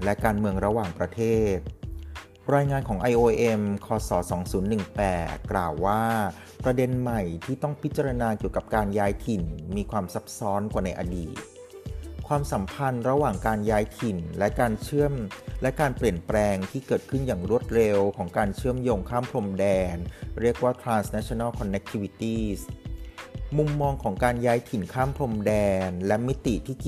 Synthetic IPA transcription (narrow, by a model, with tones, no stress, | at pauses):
lɛ˦˥kaː˧nmɯ˧əŋɾa˧waː˨˩ŋpɾa˧t̪ʰeː˥˩t̪̚ | ɾaː˧jŋaː˧nkʰɔː˩˦ŋʔa˧jʔoː˧ʔe˧mkʰɔː˧sɔː˩˦sɔː˩˦ŋsuː˩˦nːɯ˨˩ŋpɛː˨˩tt̪̚klaː˨˩wːaː˥˩ | pɾa˧de˧nma˨˩jt̪ʰiː˥˩t̪ɔ˥˩ŋpʰi˦˥t̪̚t͡ɕa˧ɾa˧naː˧ki˨˩əwka˨˩p̚kaː˧njaː˦˥jt̪ʰi˨˩nmiː˧kʰwaː˧msa˦˥p̚sɔː˦˥nkwaː˨˩na˧jʔa̰˧diː˨˩t̪̚ | kʰwaː˧msa˩˦mpʰa˧nɾa˧waː˨˩ŋkaː˧njaː˦˥jt̪ʰi˨˩nlɛ˦˥kaː˧nt͡ɕʰɯ˥˩əmlɛ˦˥kaː˧npli˨˩ənpɾɛː˧ŋt̪ʰiː˥˩kɤː˨˩t̪̚kʰɯ˥˩njaː˨˩ŋɾu˥˩ət̪̚ɾe˧wkʰɔː˩˦ŋkaː˧nt͡ɕʰɯ˥˩əmjoː˧ŋkʰaː˥˩mpʰlo˧mdɛː˧nɾi˥˩ək̚waː˥˩t̪ʰɾaː˧nsnɛ˦˥t͡ɕʰi˧na˥˩lkʰɔ˧nːe˧˦˥k̚t̪ʰi˦˥wi˧˥t̪iː˥˩s | mu˧mːɔː˧ŋkʰɔː˩˦ŋkaː˧njaː˦˥jt̪ʰi˨˩nkʰaː˥˩mpʰlo˧mdɛː˧nlɛ˦˥ʔmi˦˥t̪ːi˨˩t̪ʰiː˥˩